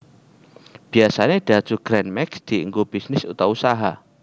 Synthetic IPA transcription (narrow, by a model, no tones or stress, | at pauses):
b̥iasaneɖ̥a̤d̥d͡ʒ̥uɡ̥ɾɛnmɛksd̪̥iə̰ŋɡub̥isnɪsṵt̪ausaɦa̰